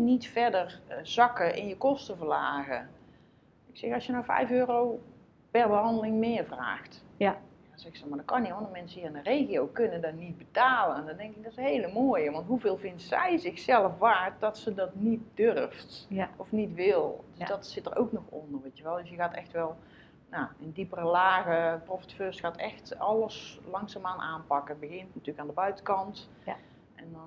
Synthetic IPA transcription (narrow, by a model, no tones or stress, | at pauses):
nitfɛrdərz̥ɑkəʔɪ̰njəkɔstəvərlaːɣə | ɪksɛxɑsjənawfɛ̰jføːrow | pɛrbəɦɑndəlɪŋmɪərvra̰ːxt | ndɔnzɛxsɔmadɔkɑniɔndərmɛnsəiːrɪnərejɣijowkønəndɔnid̚bətaːləndɔndɛŋkɪk̚dɔtɪshejləmoːjəʋɑntɦuveːlˠvɪntsɛ̰jzɪxsɛlˠəfʋaːrt̚dɔtsədɔtnit̚dørftʔɔfnitʋɪlˠdøsdɔtsɪtərʔo̰wknɔxɔ̰ndərʋetjəʋɛlˠdəsjəɣaːtɛxtʋɛlˠ | naəndipərəlaːɣəprofə̥tføːsxaːtɛxtɑlˠəslɑŋsaːmaːnʔaːnpɑkəbəɣɪntnatyːəkaːndəbœɥtəkɑnt | ʔɛndɔ